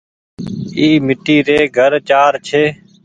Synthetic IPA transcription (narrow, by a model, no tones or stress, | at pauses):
iːmɪʈiːɾeːɡʱəɾt͡ʃaːɾt͡ʃʰeː